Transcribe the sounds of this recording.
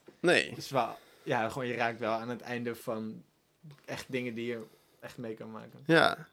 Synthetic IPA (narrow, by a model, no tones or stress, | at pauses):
nḛːdəsʋa | jaχoːnjəraːk̚tʋɛlˠaːnətɛjndəfɔn | ɛχtdɪŋədijə | ɛχtmejkɑnma̰ːkənja̰